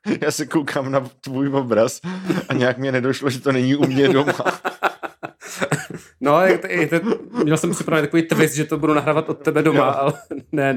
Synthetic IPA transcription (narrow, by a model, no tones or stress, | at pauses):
jaːsɪkowkʰaːmnat̪vujvobɾasaɲɛjakmɲɛnɛdoʃloʒɛt̪onɛɲiʔumɲɛdoma | nojakt̪t̪oɲɛlsɛmpr̥ɪpɾavɛnːt̪akoviːt̪vɪsʒɛt̪obudunaɦɾaːvat̪ʔot̪ːɛbɛdomaalɛnɛ